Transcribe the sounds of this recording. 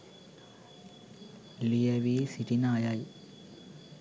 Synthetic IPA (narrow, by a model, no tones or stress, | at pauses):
lijɐʋisiʈinaːjaj